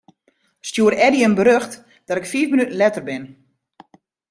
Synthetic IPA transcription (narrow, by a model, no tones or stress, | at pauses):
stjuəɾɛdiənbəɾøxt | d̥ɔtɪkfiːfmənytn̩lɛtərbɪn